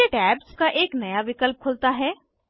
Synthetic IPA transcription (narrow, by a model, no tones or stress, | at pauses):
eʈɛːbskaʔeːknɐjaʋɪkəlp̚kʰʊːlt̪aɦɛː